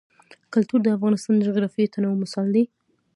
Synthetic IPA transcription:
kʊlt̪uɾd̪əafɣɑnɪst̪ɑnd̪əd͡ʒoɣɾɑfijot̪ʰanawmʊsɑld̪i

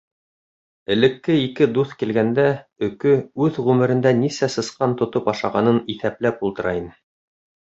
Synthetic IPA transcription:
ɘ̆lɘ̆kːɘikɘd̪uθkilɡænd̪æɵ̆kɵʉðʁʉmɘ̆ɾɘ̆nd̪ænisæsɤ̆sqɑnt̪ŏt̪opɑʃɑʁɑnɤniθæplæpulˠt̪ɤ̆ɾɑinɘ

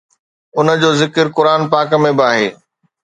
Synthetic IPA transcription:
ʊnə̆d͡ʑoːzɪkəɾkʊɾaːnpaːkmẽbɪaːɦeː

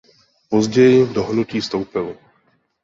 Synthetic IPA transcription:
pozɟɛjɪvdoɦnuciːst̪o̞wpɪl

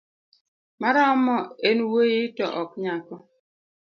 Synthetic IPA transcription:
maɾaɔmɔenwojitɔʔɔk̚ɲakɔ

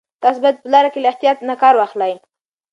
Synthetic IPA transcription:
t̪ɑs̬bajad̪̚pəlɑɾakelaɪht̪ijɑt̪nakɑɾwɑxlaj

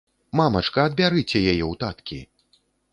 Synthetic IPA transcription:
mamɐt͡ʂkɐːd̪̚bʲaɾɨt͡sʲɛjajɛwt̪at̪kʲḭ

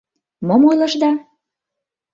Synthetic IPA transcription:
momojlɤ̆ʃd̪ɑ

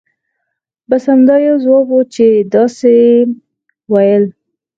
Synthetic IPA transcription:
bashamd̪ɑjazwɑbot͡ʃed̪ɑse | wajəl

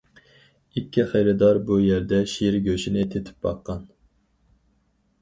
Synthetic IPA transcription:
ikʲːiχejɾɨd̪ɑɾbujæɾd̪ɛʃiɾɡʲøʃinɪt̪ʰet̪ʰɪ̥p̚bɑ̰qːɑn

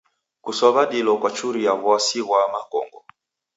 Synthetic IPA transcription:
kusɔβaɗilɔkwat͡ʃuɾijaβwasiɣwamakɔ̰ŋɡɔ̰

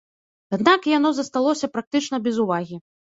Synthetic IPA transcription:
ad̪nakjanɔzɐst̪alˠɔsʲɐpɾak̚t̪ɨt͡ʂnɐbʲɛzuvaɣʲi

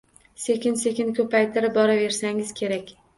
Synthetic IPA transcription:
se̞kʲɪnse̞kʲɪnkʲʰɵpʰajt̪ʰɪɾɪbɒɾave̞ɾsaŋɪz̥kʲʰe̞ɾakʲ

